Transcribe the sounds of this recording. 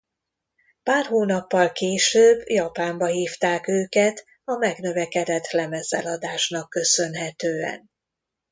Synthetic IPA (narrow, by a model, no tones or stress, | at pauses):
paːrɦoːnɒpːɒlkeːʃøːbːjɒpaːmbɒɦiːft̪aːkøːkɛt̪ | ɒmɛɡn̪ø̞vɛkɛd̪ɛt̪lɛmɛzɛlɒd̪aːʃnɒkːø̞sø̞nɦɛt̪øːɛ̰n